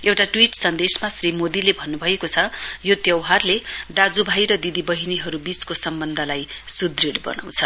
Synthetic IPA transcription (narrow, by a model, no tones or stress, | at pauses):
ewʈaʈwiʈsʌnd̪esmasrimod̪ilebʱʌnːubʱʌekot͡sʰʌjot̪jʌwɦarled̪ad͡zubʱajɾʌd̪id̪ibʌɦiniɦʌɾubiskosʌmbʌnd̪ʱʌlajsud̪riɽbʌ̰na̰w̃t͡sʰʌ